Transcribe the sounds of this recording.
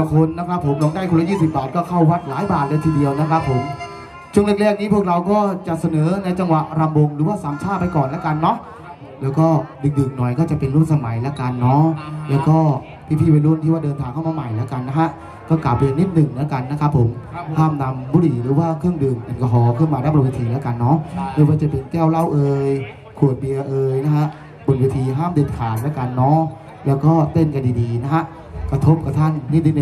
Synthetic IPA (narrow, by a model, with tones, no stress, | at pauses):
kʰo˧nːa˦˥kʰɾa˦˥pʰːo˩˦mnɔ˨˦ŋda˥˩ku˧lːjiː˥˩si˨˩p̚baː˨˩t̪̚kɔː˥˩kʰa˥˩wwa˦˥t̪̚laː˨˦jbaː˨˩t̪̚lɤː˧jt̪ʰiː˧di˧əwna˦˥kʰɾa˦˥pʰːo˩˦m | t͡ɕʰu˥˩ŋle˥˩k̚lɛː˥˩k̚ni˦pʰu˥˩ək̚ɾa˧wkɔː˥˩t͡ɕa˨˩sa˧nɤː˨˩˦na˧jt͡ɕa˧ŋwa˨˩ʔɾa˧mbo˧ŋɾɯː˨˦waː˥˩saː˨˦mt͡ɕʰaː˥˩t̪̚pa˧jkɔː˨˩nlɛ˦˥ka˧nːɔ˦˥ | lɛː˦˥wkɔː˥˩dɯ˨˩ŋ̚dɯ˨˩ŋnɔ˨˩jkɔː˥˩t͡ɕa˨˩pe˧nɾu˥˩˨n̚sa˧ma˩˦jlɛ˦˥ka˧nːɔː˦˥lɛː˦˥wkɔː˥˩ | pʰiː˦˥p̪ʰiː˥˩we˧nlu˥˩˨nʰiː˥˩waː˥˩dɤː˧nt̪ʰaː˨˧˩kʰa˥˩wmaː˧ma˨˩jlɛ˦˥wka˧nːa˦˥ɦa˦˥ʔ | kɔː˥˩klaː˨˩p̚ːe˧nːiː˦˥˩t̪̚nɯ˨˩ŋla˦˥ka˧nːa˦kʰpʰːo˩˦mhaː˥˩mna˧mbuː˧˥ɾi˨˩ɾɯː˨˦waː˥˩kʰɯ˥˩əŋdɯː˨˩ŋta˧nkɔ˧kʰɔː˨˧kʰɯ˥˩˨maː˧daː˥˩bn̚we˧t̪ʰiː˧lɛː˦˥wka˧nːɔː˦˥de˧waː˧˩t͡ɕa˨˩pe˨˧nkɛː˥˩˨wla˥˩wʔɤː˧j | kʰu˨˩ət̪̚bi˧ɐʔɤː˧jna˦˥kʰa˦˥ʔ | bo˨˩nweː˧t̪ʰiː˧ɦaː˥˩mdɯː˨˩t̪̚kʰaː˨˩˦nlɛ˦˥wkaː˧nːɔː˦˥ | lɛː˦˥wkɔː˥˩t̪e˥˩nka˧ndiː˧diː˧na˦˥kʰa˦˥ʔ | kɾa˧t̪ʰo˦˥p̚ka˨˩p̚t̪ʰa˥˩nːi˦˥˩ni˧˨n˨